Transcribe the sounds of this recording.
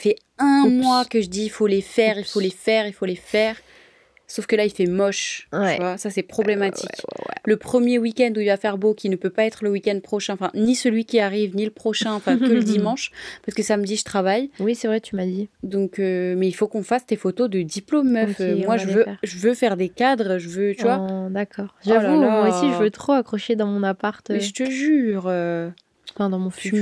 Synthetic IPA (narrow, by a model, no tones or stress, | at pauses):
sfɛɛ̃mwakəʒəd̪iːfolefɛʁilfolefɛʁilfolefɛːʁ | sofkəlailfɛmɔʃvwasasɛpχɔblemat̪ikləpχəmjewikʲɛnd̪uilvafɛʁbokʲinəpøpaɛt̪χələwikʲɛ̃nd̪̚pχɔʃɛ̃ɑ̃fɛ̃nisəlɥikʲiaʁivniləpχɔʃɛ̃ɑ̃fɛ̃kələd̪imɑ̃ʃpaʁsəkəsamd̪iʒət̪χavajwisɛvʁɛt̪ʰymad̪id̪ɔ̃kømɛilfokɔ̃fast̪efot̪od̪əd̪iplomːœfømwaʒəvøʒəvøfɛʁd̪ekad̪ʁʒəvøt̪yvwad̪akɔːʁʒavumwaosiʒəvøt̪χoakχɔʃed̪ɑ̃mɔ̃napaʁt̪mɛʒət̪əʒyːʁø | fɛ̃d̪ɑ̃mɔ̃fy